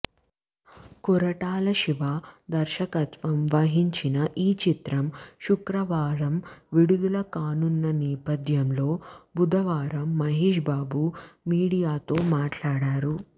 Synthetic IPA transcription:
kuɾɐʈaːlɐʃiʋaːd̪ɐɾʃɐkɐt̪ʋɐmʋɐɦiɲt͡ʃinɐʔiːt͡ʃit̪ɾɐmʃukɾɐʋaːɾɐmʋiɽud̪ulɐkaːnunːɐnɛːpɐd̪ʱjɐmlo̞ːbud̪ɐʋaːɾɐmːɐɦeːʃbaːbumiːɽijaːt̪o̞ːmaːʈlaːɽaːɾu

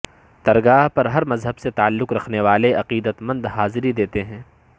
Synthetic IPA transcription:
t̪ɐɾɡaːɦpɐɾɦɐɾmɐzɦəbset̪aːlːʊqɾɐkʰneʋaːleʔɐqiːd̪ət̪mɐ̃nd̪ɦaːzɪɾid̪eːt̪eɦɛ̃ː

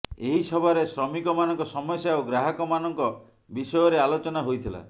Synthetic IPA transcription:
eɦisɔbʱaɾesɾɔmikɔmanɔŋkɔsɔmɔsjaoɡɾaɦɔkɔmanɔŋkɔ | bisɔjɔɾealot͡ʃɔnaɦojt̪ʰila̰

